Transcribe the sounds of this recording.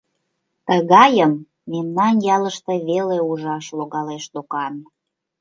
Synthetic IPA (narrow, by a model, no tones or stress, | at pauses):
t̪əɣɑjəmː | emnɑnjɑləʃt̪eβeleuʒɑʃloɣɑleʃlokɑn